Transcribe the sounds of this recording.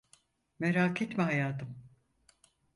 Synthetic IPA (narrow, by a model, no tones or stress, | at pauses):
meɾaːkʰit̪miɦajaːt̪ʰɯm